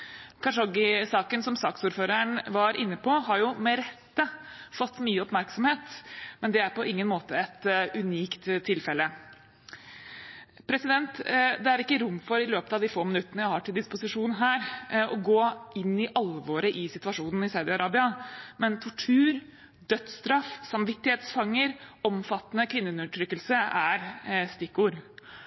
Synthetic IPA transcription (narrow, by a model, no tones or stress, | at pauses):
kʰɑʂɔɡɪsɑːkənsɔmsɑːksuːɾføːɾəɳʋɑɾʔɪnːəpʰɔɦɑɾjʊmɛɾɛt̪ːəfɔt̪ːmyːəɔpmæɾksɔmheːt̪mɛnd̪ɛæɾpɔʔɪŋːənmoːt̪əɛt̪ʔʉniːkt̪t̪ʰːɪlfɛlːə | pʰɾɛsɪd̪ɛnt̪d̪ɛæɾɪkːəɾʊmːfɔɾɪløːpət̪ɑʋd̪ɪfoːmɪnʉt̪ːənəjæɪhɑʈɪld̪ɪspʊsɪʂuːnɦæːɾʔɔɡoːɪnːɪʔɑlʋoːɾəʔɪsɪt̪ʉʋɑʂuːnn̩ɪsaʉd̪ɪɑɾɑːbɪɑmɛnt̪ʰɔʈʰʉːɾ | d̪œt̪st̪ɾɑfsɑmʋɪt̪ːɪheːt̪sfɑŋːəɾɔmfɑt̪ːənəkʰʋɪnːəʉnʉəʈʰɾʏkːəlsəæɾst̪ɪkːuːɾ